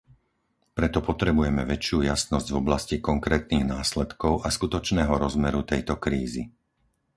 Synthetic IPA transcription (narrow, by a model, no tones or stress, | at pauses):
pɾɛt̪ɔpɔt̪ɾɛbujɛmɛʋɛt͡ʃjuːjasnɔzɟvɔblascikɔŋkɾɛːt̪̚niːɣnaːslɛt̪kɔʊʔaskut̪ɔt͡ʃnɛːɦɔɾɔzmɛɾut̪ɛjt̪ɔkɾiːzḭ